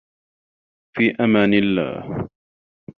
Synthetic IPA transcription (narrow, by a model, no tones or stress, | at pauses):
fiːʔamaːnɪlːa̰ːh